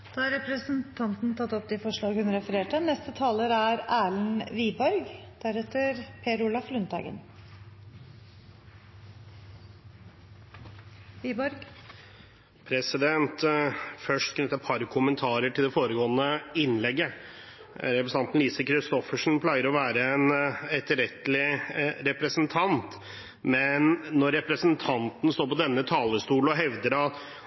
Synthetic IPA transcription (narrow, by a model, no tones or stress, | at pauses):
d̪̥ɑːɑɾɛpɾəsənt̪ʰɑnt̪n̩t̪ʰɑt̪ːɔpd̪ɪfɔʂɭɑːɡhʉnɾɛfəɾeːʈənɛst̪ət̪ʰɑːləɾæɾæːɭn̩ʋiːbɔɾɡd̪̥æɾɛt̪ːəɾpʰeːɾʊlɑflʉnt̪ʰɑ̰ɡə̰n | ʋiːbɔɾɡ | pʰɾɛsɪd̪ɛnt̪fœʂʈkʰnʏt̪ːəpʰɑɾkʰʊmənt̪ʰɑːɾəʈʰɪld̪ɛfoːɾəɡoːənəɪnːlɛɡːə | ɾɛpɾəsɑnt̪n̩liːsəkʰɾɪst̪ɔfəʂn̩pʰlɑɪəɾɔʋæːɾəɛnɛt̪əɾɛt̪lɪɾɛpɾəsnt̪ʰɑnt̪ | mɛnːɔɾːɛpɾəsənt̪ʰɑnt̪n̩st̪oːɾpɔd̪ɛnːət̪ʰɑːləst̪uːl̩ɔɦɛʋd̪əɾɑt̪